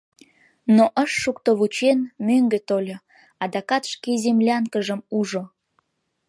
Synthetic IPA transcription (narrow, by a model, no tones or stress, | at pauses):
noʔəʃːukt̪oβut͡ɕenmøŋɡet̪olʲo | ɑd̪ɑkɑt̪ʃkezemlʲɑŋkəʒəmuʒo